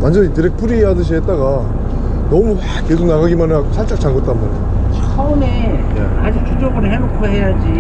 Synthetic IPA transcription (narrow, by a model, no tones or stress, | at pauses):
wand͡ʑʌitɯɾek̚pʰuɾiɦeɦadɯɕ̬ʰiɦet͈̚aɡa | nʌmuɸwakesʰunaɣaɡimanɯaksʰaɭt͡ɕ͈ak̚t͡ɕaŋɡʌt͈anbaneo | t͡ɕʰume | ḛad͡ʑik̚tud͡ʑʌɡɯɾɯɦenokʰoɦejad͡ʑi